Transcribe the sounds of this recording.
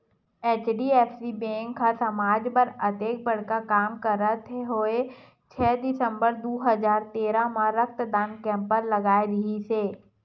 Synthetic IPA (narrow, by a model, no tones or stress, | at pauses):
eːt͡ʃɖiɛːfsibɛ̃ːŋkʰːasɐmaːd͡ʒpəɾɐt̪eːk̚bɐɽ̤kakaːmkəɾət̪ʰeɦoːe | t͡ʃʰɛːd̪ɪsə̃mbəɾd̪oːɦəzaːɾt̪eːɾamaɾək̚t̪d̪aːnkɛ̃ːmpəɾlɐɡaːeɾɪɦiseː